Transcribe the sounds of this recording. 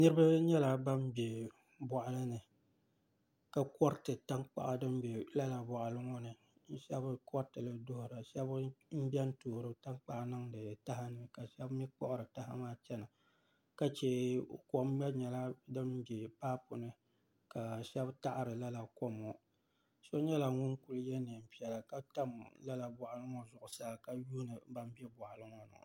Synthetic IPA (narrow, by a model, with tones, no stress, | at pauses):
nɨ˦ɾɨ˦ba˦ɲɛ˦la˦ba˦m˦be˨ | bɔ˨ʔa˦lɨ˦nɨ˨ | ka˨kɔ˦ɾtɨ˨ta˦ŋk͡pa̰˨ʔa˨dɨ˦m˦be˨la˦la˨ba˨ʔa˨lɨ˦ŋɔ˦nɨ˨ | n̩˦ʃɛ˦bkɔ˦ɾtɨ˨lɨ˨dʊ˦hʊ˨ɾa˨ʃɛ˦bm̩˦bɛ˦n̩˦toː˨ɾɨ˦ta˦ŋk͡pa˨ʔnɨ˦ŋdɨ˨ta˦ɦa˦nɨ˨ka˨ʃɛ˦bmi˦k͡pɔ̰˦ʔʊ˦ɾɨ˨ta˦ɦa̰˦maː˦t͡ʃɛ˦na˨ | ka˦t͡ʃɛ˦˨ko˨˦m˦jɛ˦ɲɛ˨la˦dɨ˦mbi˨paː˦pʊ˨nɨ˦ | ka˨ʃɛ˦bta˦ʔa˨ɾɨ˨la˦la˨ko˦mɔ˨ | so˦ɲɛ˦la˨ŋʊ˦nku˦ljɛ˦ne˨m̩˨pi˦ɛ˨la˨ka˦ta˦mla˦la˨ba˨ʔa˨lɨ˦ŋɔ˦zʊ˨ʔʊ˨sa˦˨ka˦juː˦nɨ˨ba˦m˦bɛ˦bɔ˨ʔa˨lɨ˦ŋɔ˦nɨ̰˨